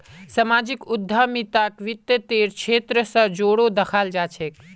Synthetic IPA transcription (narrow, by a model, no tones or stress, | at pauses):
səmaːd͡ʒikʊd̪ʱːamit̪akʋɪt̪jət̪eːɾkt͡ʃʰʃʰeːt̪ɾəsə̃d͡ʒoːɽod̪əkʰald͡ʒaːt͡ʃʰek